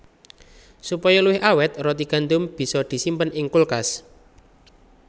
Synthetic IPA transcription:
supɔjɔluwɪhʔawɛt̪̚rɔt̪iɡ̥a̤nd̪ʊmb̥i̤sɔd̪̥i̤simpənʔɪŋkulkas

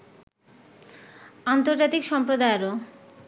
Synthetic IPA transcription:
ant̪oɾd͡ʑat̪ikʃɔmpɾod̪aeɾo

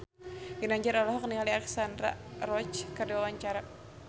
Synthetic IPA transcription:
ɡinaɲd͡ʒaɾalɔɦɔk̚niŋaliaksandra̰rɔt͡ʃkərduwawaɲt͡ʃaɾa

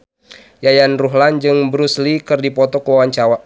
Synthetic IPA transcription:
jajanruɦland͡ʒɨŋbɾuslikɨrdipɔt̪ɔkəwawaɲt͡ʃawa

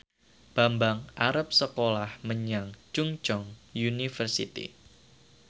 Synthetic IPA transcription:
b̥ambaŋʔaɾap̚səkolahməɲaŋt͡ʃuŋt͡ʃɔŋjunifərsḭt̪ḭ

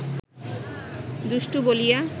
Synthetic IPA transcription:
d̪uʃʈubolija

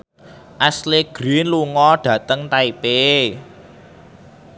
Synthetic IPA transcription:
ʔasleɡ̥ɾinluŋɔɖ̥ä̤t̪əŋt̪aipe

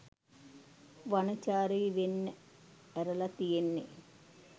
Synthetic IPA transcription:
ʋɐnɐt͡ɕaːɾiʋenː | eɾɐlɐt̪ijenːḛ

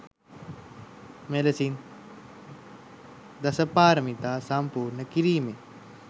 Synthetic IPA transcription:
melɐsin | d̪ɐsəpaːɾəmit̪aːsɐmpuːɾnəkiɾiːme

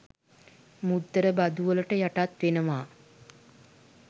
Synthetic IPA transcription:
mud̪ːəɾəbad̪uʋələʈəjaʈat̪ʋenəʋaː

